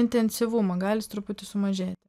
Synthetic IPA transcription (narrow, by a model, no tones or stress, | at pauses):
ɪnʲt̪ʲɛnʲsʲɪʋumɐɡɑːlʲɪst̪ɾʊpʊt̪ʲɪsʊmɐʒʲeːt̪ʲ